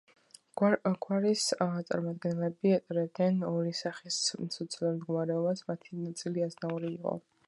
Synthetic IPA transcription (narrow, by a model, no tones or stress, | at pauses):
ɡwaɾist̪sʼa̰ɾmad̪̚ɡɛnlɛbiɛt̪ʼɾɛd̪ɛnɔɾisaχissɔt̪sʰilɔmd̪ɡɔmaɾɛɔbasmat̪ʰinat̪sʼiliaznauɾiːqʼɔ̰